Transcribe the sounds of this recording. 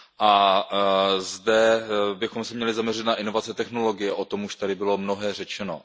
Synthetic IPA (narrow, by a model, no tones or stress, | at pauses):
ʔa | zdɛbɪxomsɛmɲɛlɪzamɲɛrɪt̪naʔɪno̞vat͡sɛt̪ɛxno̞lo̞ɡɪjɛʔo̞t̪o̞muʃt̪adɪbɪlo̞mnoɦɛːr̝ɛt͡ʃɛno̞̰